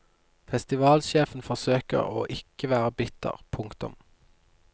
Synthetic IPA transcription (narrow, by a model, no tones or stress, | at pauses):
fɛst̪ɪʋɑːlʃeːfn̩fɔʁsøːkə̰ʁo̰ːʔɪkəʋæːʁəbɪt̪ə̰ʁpʰʊŋkt̪ʊ̰m